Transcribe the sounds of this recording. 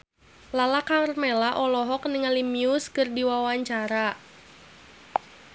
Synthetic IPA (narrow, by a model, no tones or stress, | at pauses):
lalakarmelaʔɔlɔɦɔk̚niŋalimiʊskɨrdiwawaɲt͡ʃaɾa